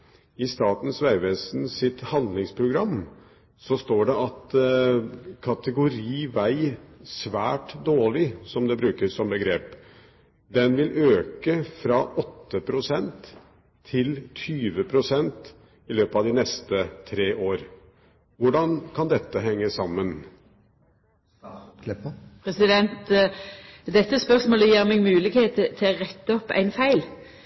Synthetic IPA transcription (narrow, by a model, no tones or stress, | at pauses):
ɪst̪ɑːt̪n̩sʋæɪʋɛːsnsɪt̪hɑnd̪lɪŋspʰɾʊɡɾɑmː | sɔst̪oːɖɛʔɑt̪ | kʰɑt̪əɡʊɾiːʋæɪsʋæːʈd̪oːɭɪsɔmd̪ɛbɾʉːkəsɔmbəɡɾeːp | d̪ɛnʋɪlʔøːkəfɾɑʔɔt̪ːəpʰɾʊsɛnt̪ʰː | ɪlt̪ʰyːʋəpʰɾʊsɛnt̪ | ɪløːpəɑʋd̪ɪnɛst̪ət̪ʰɾeːʔoːɾ | ʋʊɖɑnkʰɑnd̪ɛt̪ːəɦɛŋːəsɑmːən | pʰʁɛsɪd̪ɛnt̪ | d̪ɛt̪ːəspœʁsmoːləjiːʁmɛɡmʉːlɪɡheːt̪ət̪ʰɪoʁɛt̪ːəɔpːæ̰ɪnfæɪl